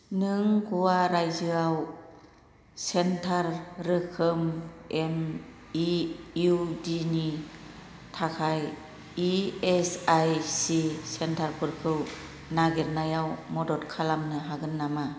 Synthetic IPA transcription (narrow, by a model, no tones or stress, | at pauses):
nɯŋɡuwaɾajzɯaw | sentʰaɾːɯkʰɯmemiudini | tʰakʰaj | iesajsisentʰaɾpʰɯɾkʰɯw | naɡeɾnajawmɔdɔtkʰalamnɯɦaɡɯnːama